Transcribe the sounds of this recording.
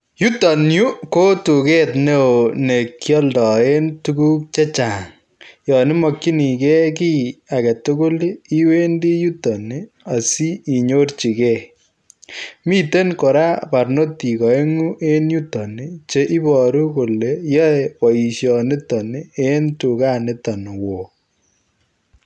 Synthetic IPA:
ju˦ta˨nju˦ko˦tu˨ke˦tne˦o˨ne˨kːiɔ˦ldɔ˨e˦ntu˦ku˦k̚t͡ʃe˦t͡ʃa˨ŋ | jɔ˨nɪ˦mɔ˨kːi˦ni˨kɛ˦ki˦a˨kɛ˨to˦ko˦li˦we˦ndi˦ju˦tɔ˨ni | a˨si˦i˨ɲo˦rt͡ʃi˨kɛ˦˨ | mi˦te˦nko˨ɾa˦pa˨rno˦ti˨kɔ˨e˦ŋu˦ʔe˦nju˦tɔ˨ni˨t͡ʃe˦ʔi˦bɔ˨ɾu˦ko˨le˨jɔ˦wɔ˨i˨ʃjɔ˨nɪ˦tɔ˨nɪ˨e˦ntu˨ka˦nɪ˦tɔ˨n˨wo˨

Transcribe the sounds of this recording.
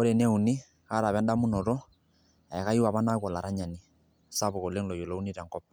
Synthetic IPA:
o˦ɾɛ˨nɛ˦u˨ni˦ | ka˦ɾa˨βɛ˦nda˦mu˦nɔ˨ɾɔ˦ | a˨ɛ˨ka˦ji˦wa˨βa˦na˦kɔ˨la˨ɾa˦ɲa˨ni˦˨ | sa˦βɔ˨kɔ˨le˦ŋlɔ˨jo˨lɔ˨˦u˦ni˦ɾɛ˨ŋkɔ˦p̚

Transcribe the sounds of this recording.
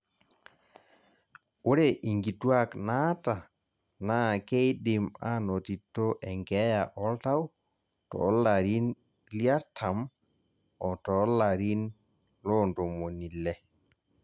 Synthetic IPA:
o˦ɾɛ˦˨ʔi˨ŋɡi˨twa˦kna˦ta˨ | na˦˨kɛ˦jɗɪ˨ma˦no˨ti˨tːo˦ʔɛ˨ŋɡɛ˨˦ja˨ʔɔ˦lta˦w | tɔ̰˨˦la˨ɾi˦n | lja˦tʰa˨m | ɔ˨tɔ˨˦la˨ɾi˦n | lɔ˦ndo˨mo˨ni˨lɛ˦

